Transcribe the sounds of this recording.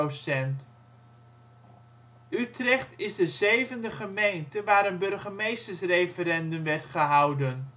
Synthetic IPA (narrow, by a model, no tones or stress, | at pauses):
osɛnt | ytrɛχtɪzdəzejvəndəχəmejntəʋaːɾənbɵɹχəmejstəɹsrejfəɾɛndɵmʋɛɹtχəɦɑwdən